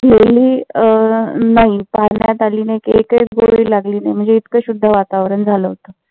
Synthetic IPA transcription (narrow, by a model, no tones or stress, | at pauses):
ɡeliː | naɦipaɾɳjat̪aliːnaekekəjɡo̰ɭiːlaɡliːnajm̤əɳnd͡zeit̪kəɕud̪ʱːəʋat̪aʋɾəɳd͡zʱaləɦot̪ə